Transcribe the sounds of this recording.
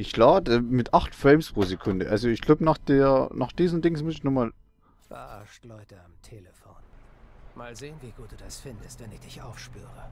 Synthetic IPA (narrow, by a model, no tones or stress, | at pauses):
ʔɪçkl̥aːdɛmɪtʔaχtfʁ̥ɛmspʁ̥oːzekʰʊndəʔalzoɪçɡ̥laʊbənaːχd̥eːɐnaːχd̥iːzn̩dɪŋsmʊsɪçnɔχmaːl | fa̰aʃtlɔʏtəamtʰeːləfoːnmaːlzeːənviɡuːt̚d̥uːd̥asfɪndəstvɛnɪçd̥ɪçʔa̰ʊfʃpy̰ːʁə